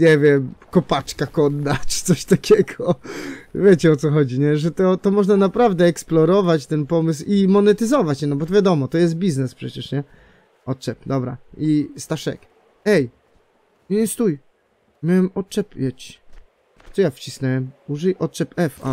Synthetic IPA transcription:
ɲɛvʲjɛmkɔpat͡ʂkakɔd̪ːat͡ʂɨ̥t̪sɔɕt̪akʲʰɛɡɔ | vʲjet͡ɕɛɔt̪sɔxɔd͡ʑiɲɛʐɛt̪ɔt̪ɔmɔʐnanapɾavd̪ɛːksplɔɾɔvat͡ɕt̪ɛnpɔmɘs̬wimɔnɛt̪ɘzɔvat͡ɕɛnɔbɔt̪ɔvʲjad̪ɔmɔt̪ɔjɛs̬t̪̚bʲiznɛspʂɛt͡ɕɛʂɲɛ | ʔɔt̪t͡ʂɛpd̪ɔbɾa̰ist̪aʂɛ̰k | ɛj | ɛst̪uj | mʲawɛmɔt̪t͡ʂɛpjɛt͡ɕ | sɔjaft͡ɕisnɛwɛmuʐɛjʔɔt̪t͡ʂɛpɛfa̰

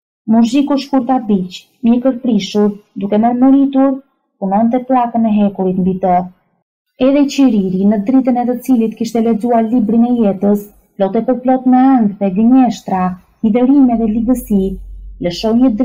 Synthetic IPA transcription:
muɾzikuʃkuɾt̪abit͡ʃ | mjəkəɾpɾiʃuɾd̪ukɛməɾməɾit̪uɾ | punɔnt̪̬ɛplˠakənɛɦɛkuɾit̪mbit̪ɔ | ɛðɛt͡ɕiɾiɾinəd̪ɾit̪ənɛt̪ət͡silit̪kiʃt̪ɛlɛd͡zuaɾlibɾinɛjɛt̪əs | plɔt̪ɛpəɾplɔt̪mɛaŋɡðɛɡəɲɛʃt̪ɾa | lid̪ɛɾimɛðɛliɡəsiləʃɔjɲəd̪

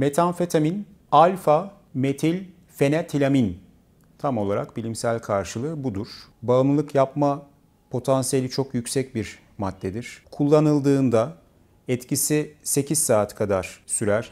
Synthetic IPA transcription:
met̪ʰanfet̪ʰamin | alʲfa | met̪ʰilʲ | fe̞nɛt̪ʰilʲamin | t̪ʰamo̞lˠaɾakbilʲimsælʲkʰaɾʃɯlˠɯbud̪uɾ̥baɯmˠɯlˠɯkjapma | pʰo̞t̪ʰansije̞lʲit͡ʃʰo̞kjycsɛc̚biɾ | mad̪ːɛd̪iɾ̥kʰulˠːanɯlˠd̪ɯːnd̪a | ɛt̪cisise̞cʰizsaːt̪kʰad̪aɾ̥syɾæɾ̥

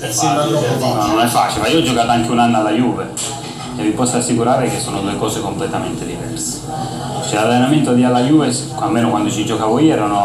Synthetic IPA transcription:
nɔnonɛfːa̰ːt͡ʃilemaijoɔd͡ʒːokaːt̪oaŋkeunanːalːajuːve | evːipɔsasːikuɾaːɾekesːoːnod̪uːekɔːsekomplet̪ament̪ed̪ivɛ̰rse̥ | t͡ʃɛlalːenament̪oad̪ialːajuːves | almːeːnokwand̪ot͡ʃid͡ʒokaːvojɛːɾiunɔ

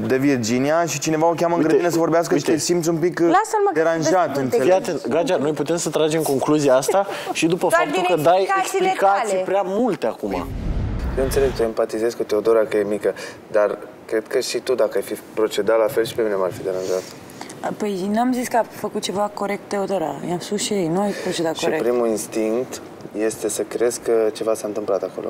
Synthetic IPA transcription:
d̪evierd͡ʒinijaʃit͡ʃine̞vaokʲaməɨŋɡɾəd̪inesəvo̞ɾbeaskəʃit̪esimt̪sʲumpiklasəməd̪eɾanʒat̪neeat̪enɡɾad͡ʒano̞jput̪e̞msət̪ɾad͡ʒe̞mko̞ŋkluziaast̪aʃid̪upəffap̚t̪ulkəd̪ajeksplikasijpɾʲeamult̪e̞akuma̰jewɨnt̪se̞leɡ̚t̪əempat̪ize̞zkut̪e̞od̪oɾakəje̞mikə | d̪ar | kɾe̞d̪kəʃit̪ud̪akəajfipɾo̞t͡ʃe̞d̪alafe̞lʃi̥pe̞mine̞marfid̪eɾanʒat̪ | pəjnuamziskəafəkut̪̚t͡ʃe̞vako̞ɾe̞k̚t̪̚t̪ːe̞od̪o̞ɾa̰jamspusʃiejnuajpɾot͡ʃe̞d̪at̪ʃ̚koiepɾimuinst̪iŋkt̪ | je̞st̪e̞səkɾe̞zkət͡ʃe̞vasant̪ɨmplat̪ako̞lo̰

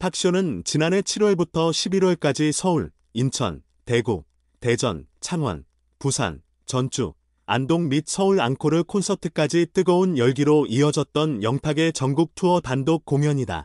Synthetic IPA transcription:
pʰak̚ɕ͈onɯnt͡ɕinane̞t͡ɕʰiɾwʌɭbutʰʌɕʰibiɾwʌɭk͈ad͡ʑisʰʌuɭ | int͡ɕʰʌ̰n | te̞ɡo̰ | te̞d͡ʑʌnt͡ɕʰaŋwa̰n | pusʰa̰n | t͡ɕʌnt͡ɕʰṵ | a̰ndoŋmit̚sʰʌuɾa̰nkʰoɾɯɭkʰonsʰʌtʰɯk͈ad͡ʑit͈ɯɡʌunjʌɭɡiɾoʔiʌd͡ʑʌt̚t͈ʌnjʌŋtʰaɡe̞t͡ɕʌŋɡuk̚tʰuʌtandok̚k͈ːoŋjʌɲida̰

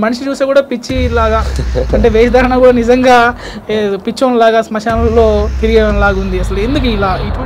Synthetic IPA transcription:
mɐnɐʃit͡ʃuːseːkuːɽaːpit͡ʃːilaːɡaːɐɳʈe̞ːʋeːsɐd̪ʱɐɾɐnakuːɽaːnizɐŋɡaː | pit͡ʃːɐʋɐnilaːɡaːsmɐʃaːnɐlːoːt̪iɾiɡeːʋɐnlaːɡund̪iɐsɐluend̪uk̬uilaːiʈ

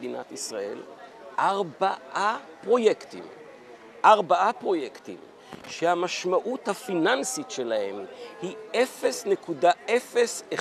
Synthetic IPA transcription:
dinat̪isʁaʔe̞̰l | ʔaʁbaʔapʁo̞jekt̪ḭm | ʔaʁbaʔapʁo̞jektḭm | ʃehamaʃmaʔuthafinansitʃe̞lahemhiefe̞snekudaefe̞se

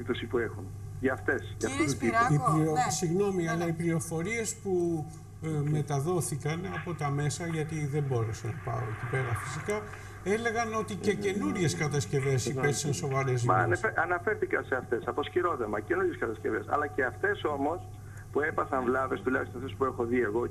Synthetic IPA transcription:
ipt̪osipuexunʝɐft̪esʝɐft̪ipiiposiɣno̞miɐlɐiplio̞fo̞ɾie̞spu | me̞t̪ɐðo̞θikɐnɐpo̞t̪ɐme̞sɐʝɐt̪iðe̞mbo̞ɾesɐnɐpɐ̰oec̪ipe̞ɣɐfi̥sikɐ | e̞le̞ɣɐno̞t̪ice̞ce̞nuɾʝe̞skɐt̪ɐsce̞ve̞sipeθi̥sɐnso̞vɐɾezɐnɐnɐfe̞ɾθikɐseɐft̪e̞sɐpo̞sciɾo̞ðemɐce̞nuɾʝeskɐt̪ɐsce̞ve̞sɐ̰lɐceɐft̪e̞so̞mo̞s | pue̞pɐθɐɱvlɐvest̪ulɐ̰çst̪oft̪e̞spuexo̞ðie̞ɣo

